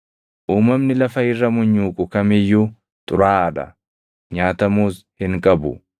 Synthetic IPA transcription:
ʔuːmɐmnɪlɐfɐhɪrːɐmʊɲːuːkʼʊkɐmɪjːu | t̪ʼʊɾaːᶑɐ̰ | ɲaːt̪ɐmuːs | hɪŋkʼɐbʊ

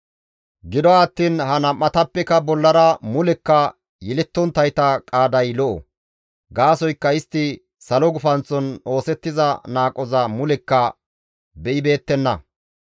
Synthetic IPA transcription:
ɡɪd̪ɔaːt̪ːiːnhɐnɐmʔːɐt̪ɐpːɛkɐbɔlːɐɾɐmʊlɛkːɐ | jɛlɛt̪ːɔnt̪ːɐjt̪ɐkʼaːd̪ɐjlɔʔɔ̰ | ɡaːsɔjkːɐɪst̪ːɪ | sɐlɔɡʊfɐnt͡sːɔno̞ːsɛt̪ːɪzɐnaːkʼɔzɐmʊlɛkːɐ | bɛʔɪbe̞ːt̪ːɛnːɐ

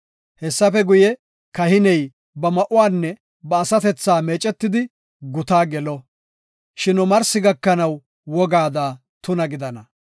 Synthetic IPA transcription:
hɛsːɐfɛɡʊjɛ | kɐhɪnɛj | bɐmɐʔʊwaːnːɛ | bɐːsɐt̪ɛt͡sːaːmeːt͡ʃʼɛt̪ːɪd̪ɪ | ɡʊt̪aːɡɛlɔ | ʃɪnʊmɐɾsɪɡɐkːɐnɐw | wɔɡaːd̪aː | t̪ʊnɐɡɪd̪ɐnɐ

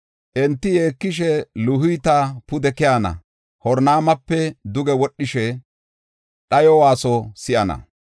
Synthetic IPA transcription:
ʔɛnt̪ːɪjeːkːɪʃ̬ɛlʊhʊjt̪apʊd̪ɛkɪjaːnɐ̰ | hɔɾnaːmɐpːɛd̪ʊɡɛwɔɗːɪʃɛ | ɗɐjɔwaːsɔsɪʔɐnɐ̰

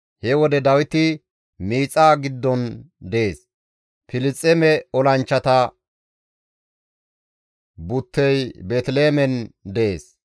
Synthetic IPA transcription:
hɛwɔd̪ɛd̪ɐwɪt̪ɪ | miːt͡sʼːaːɡɪd̪ːɔn | d̪ɛeːs | pɪlɪt͡sʼːɛmɛɔlɐnt͡ʃːɐt̪ɐ | bʊt̪ːɛjbet̪leːmɛnd̪ɛʔeːs

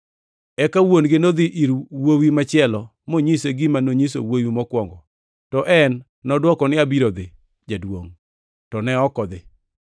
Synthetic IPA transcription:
ɛkawonɡɪnod̪ɪʔiɾwowimat͡ʃɪɛlɔ | moɲiseɡɪmanoɲiso̰wowimɔkwɔŋɡɔ | tɔʔɛnː | ɔdwɔkɔnɪabiɾod̪ɪ | d͡ʒadwo̰ŋ | tɔnɛɔkɔd̪ɪ

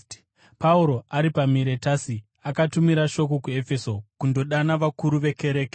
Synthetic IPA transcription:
pauɾo̞ʔaɾipamiɾe̞taːsi | akatumiɾaʃo̞k̬okue̞fe̞so̞kundo̞ɗanaʋakuɾuʋe̞ke̞ɾe̞ːke

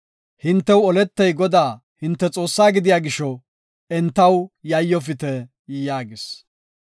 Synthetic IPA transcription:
hɪnt̪ːɛwɔlɛt̪ːɛjɡɔd̪aː | hɪnt̪ːɛt͡sʼo̞ːsːaːɡɪd̪ɪjaːɡɪʃɔ | ɛnt̪ːɐwjɐjːɔfɪt̪ɛ | jaːɡɪs

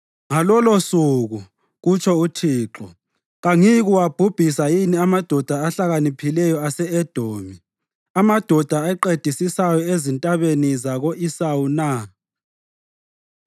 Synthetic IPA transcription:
ŋalɔlosuɣu | ɣut͡ʃʰɔutʰiːǁɔ̰ | ɣaŋiɣuwab̥ʱub̥ʱisajiniamad̥ʱɔd̥ʱaːɬaɣanipʰilɛjɔasɛɛd̥ʱoːmi | amad̥ʱɔd̥ʱaɛǃed̥ʱisisajɔezintʼaβenizaɣoʔisawuna

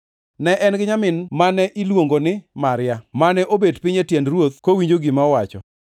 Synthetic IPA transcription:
nɛʔɛnɡɪɲamɪnmanɛʔilwoŋɡonɪmaɾɪjamanɛʔobedpɪɲetjɛndrwot̪̚kowiɲd͡ʒoɡɪmaɔwat͡ʃɔ̰

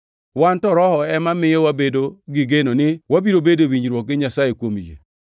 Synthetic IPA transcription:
wantɔɾɔhɔɛmamɪjɔwabedoɡɪɡenonɪwabiɾobedowiɲɾwɔk̚ɡɪɲasajekwomijḛ

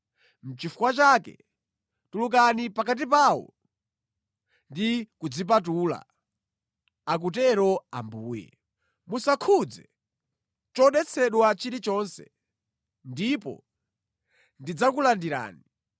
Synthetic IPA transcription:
m̩t͡ʃifukwat͡ʃakɛ̰ | tuluk̬anipakat̬ip̬aːwɔ̰ | ndikud͡zip̬at̬uːla̰ | ak̬ut̬ɛɾɔa̰mbuːjɛ̰ | musakʰud͡zɛ | t͡ʃɔɗɛt͡sʰɛɗwat͡ʃiɾit͡ʃɔːnsɛ̰ | ndipɔ̰ | ndid͡zakulandiɾa̰ːni

